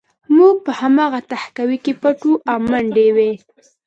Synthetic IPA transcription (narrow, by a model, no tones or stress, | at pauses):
muɡ̚pəhamɑɣat̪ahkawikepaʈuʔawmaɳɖewe